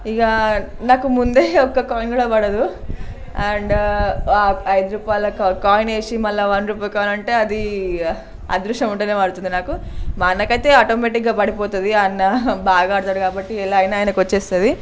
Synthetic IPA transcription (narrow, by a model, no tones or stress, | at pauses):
iːɡɐnaːkumund̪e̞ɔkːɐkaːjnɡɐɭɐbɐɽɐd̪u | ɐɳɖaɐjd̪ɐɾuːpaːjɐlɐkkaːjneːʂimɐlːɐʋɐnd̪ɾuːpɐːjkaːjnɐɳʈeɐd̪i | ɐ̰d̪ɾuʂʈɐmuɳʈɐneːmaːɽt̪und̪inaːkumaːnɐkɐt̪eaːʈoːmeːʈikɡɐpɐɽipoːt̪ɐd̪iɐnːɐbaːɡɐaːɽt̪aːɽkaːbɐʈːiɛlːɐːjnɐaːjɐnɐkot͡ʃːeːst̪ɐd̪i